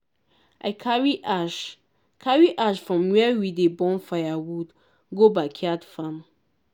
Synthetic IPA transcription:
ʔaɪkʰaɹiaʃ | kʰaɹiʔaʃfɹɔ̃mwɛwidebɔ̃nfajawud | ɡobakʰiatfãm

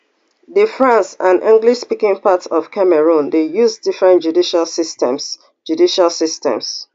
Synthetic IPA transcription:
dəfɹãnsãnʔḭ̃ŋɡliʃspikɪ̃ŋpatsɔfkʰamɛɹũndejuzdifɹɛ̃ntd͡ʒudiʃalsistɛ̃ms | d͡ʒudiʃalsistɛ̰̃ms

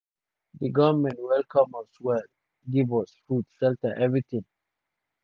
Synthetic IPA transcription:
dəɡɔmɛ̃ntwɛlkʰɔməswɛl | ɡibɔsfutsɛltəʔɛvɹit̪ĩŋ

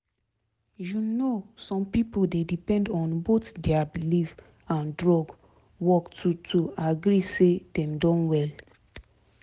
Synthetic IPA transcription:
junosɔ̃mpipoldedipɛ̃ndɔ̃nbotdeabiliv | ãndɹɔɡ | wɔktutʰuaɡɾisedɛ̃mdɔ̃nwɛl

